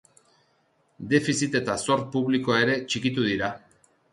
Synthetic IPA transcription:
d̪e̞fisit̪e̞t̪aso̞ɾt̪̚puβlikoaeɾe̞t͡ʃikit̪uðiɾa

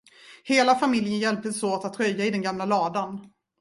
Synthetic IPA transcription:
heːlafamɪljənjɛlp̚t̪əsoːt̪at̪ʰːɾœjːaɪd̪ɛnɡamlalɑːd̪an

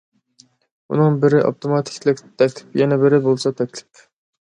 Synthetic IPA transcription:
ṵnɨŋbɪɾɪʔo̰pt̪ʰomɑt̪ʰɪ̥kʲlɪkʲt̪ʰɛkʲlʰɪ̥pjɛnɛbɪɾɪbolˠsɑt̪ʰɛkʲlɪ̥p

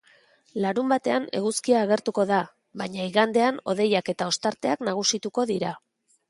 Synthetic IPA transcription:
laɾumbat̪e̞ane̞̰ɣuskiaːɣ̞e̞ɾt̪uko̞ða | βaɲaiɣand̪e̞ano̞ðe̞jake̞t̪ao̞st̪aɾt̪e̞aknaɣ̞usit̪uko̞ðiɾa

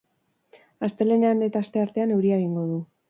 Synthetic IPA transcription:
ast̪e̞leneanet̪aːst̪e̞aɾt̪e̞ane̞wɾiaeɣ̞iŋɡo̞ðu

